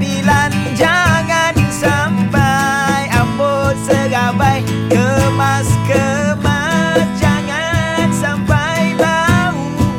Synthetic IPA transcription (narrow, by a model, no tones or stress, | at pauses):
biland͡ʒaŋansampajambot̪̚səɡabaj | kəmaskəma | d͡ʒaŋansampa | jbau